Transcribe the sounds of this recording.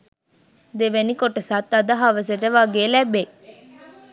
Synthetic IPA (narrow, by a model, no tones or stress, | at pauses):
d̪eʋenikoʈəsɐt̪ːɐd̪ɐɦaʋɐs̬eʈeʋaːɡeːlæbːe